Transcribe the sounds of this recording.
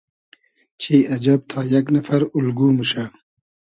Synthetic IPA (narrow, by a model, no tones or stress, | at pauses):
t͡ɕʰiɐd͡ʑɐb̚t̪ʰaːjɐknɐfɐɾulɡuːmuʃa